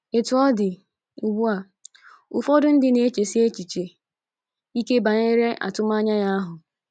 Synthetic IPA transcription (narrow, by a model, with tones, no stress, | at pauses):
e˨tʊ˨˦ɔ˦dɪ˨ | u˨ɡ͡bu˦a˨ | ʊ˨fɔ˦dʊ˦n̩˦dɪ˨ne˦t͡ʃe˨si˦e˦t͡ʃi˨t͡ʃe˨ | i˦ke˦ba˨ɲe˦ɾe˦ʔa̰˨tʊ˦m˦a˦ɲa˦ja˦ɦʊ˨